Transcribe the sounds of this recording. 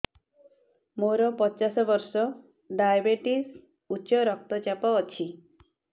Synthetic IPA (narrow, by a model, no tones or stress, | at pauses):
moɾɔpɔt͡ʃasɔbɔɾsɔ | ɖajabeʈis | uːt͡ʃɔɾɔk̚t̪ɔt͡ʃapɔːt͡ʃʰi